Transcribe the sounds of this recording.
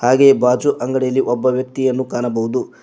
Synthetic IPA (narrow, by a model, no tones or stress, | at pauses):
haːɡe̞baːd͡ʒuʔɐŋɡɐɽejɐlːiʔɔbːɐʋjɐk̚t̪ijɐnːukaːnɐbɐɦud̪u